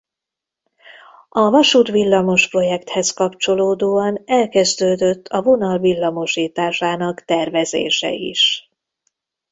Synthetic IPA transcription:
ɒvɒʃuːt̪ʋilːɒmo̞ʃpro̞jɛkt̪hɛskɒpt͡ʃo̞loːd̪oːɒnɛlkɛzd̪øːd̪øt̪ʰːɒvo̞nɒlvilːɒmo̞ʃiːt̪aːʃaːnɒkt̪ɛrvɛzḛːʃɛ̰ḭʃ

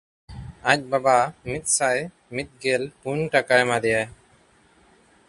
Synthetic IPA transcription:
ac̚babamit̪̚saj | mit̪̚ɡɛlpuɲʈakajmad̪ɛjaj

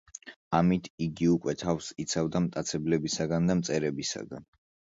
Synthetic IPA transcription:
amit̪ʰiɡiukʼwɛt̪ʰafsit̪sʰavd̪amt̪ʼat̪sʰɛblɛbisaɡand̪amt̪sʼɛɾɛbisa̰ɡa̰n

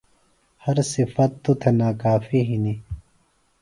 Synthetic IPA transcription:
hɐɾsifɐt̪ːut̪ʰenaːkaːfiɦini

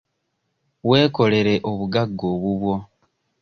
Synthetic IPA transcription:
we̞ːko̞le̞ɾe̞ʔo̞βuɡaɡːo̞ːβuβwo̞

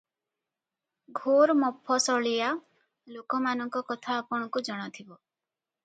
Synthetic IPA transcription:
ɡʱoɾmɔpʰːɔsɔɭija | lokɔmanɔŋkɔkɔt̪ʰaːpɔɽ̃ɔkud͡ʒɔɽ̃ɔt̪ʰibɔ

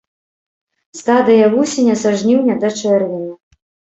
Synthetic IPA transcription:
st̪ad̪ɨjɐvusʲɛnʲɐsaʐnʲiwnʲɛd̪ɐt͡ʂɛrvʲɛnʲɐ

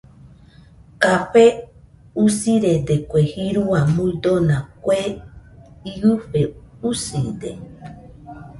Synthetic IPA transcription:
kaɸe | usiɾed̪ekʷehiɾuamud̪onãkʷe | iɨɸeusid̪e

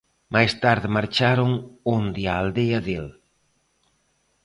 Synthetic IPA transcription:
majst̪aɾðɪmaɾt͡ʃaɾoŋond̪iaːld̪eɐðel

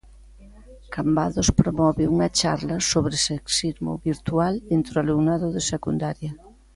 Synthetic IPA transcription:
kambaðospɾomɔβɪuŋɐt͡ʃaɾlɐsoβɾeseksiɾmʊ̰βiɾt̪ualent̪ɾʊaluŋnaðʊðesekund̪aɾjɐ

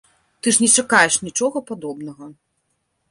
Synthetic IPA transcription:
t̪ɨʐnʲɛt͡ʂakajɛʂnʲit͡ʂɔɣɐpad̪ɔbn̪ɐɣɐ

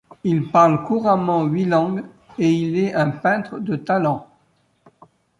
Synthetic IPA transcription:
ilpaʁlkuʁamɑ̃ɥilɑ̃ɡ | eilɛɛ̃pɛ̃t̪χd̪ət̪alɑ̃

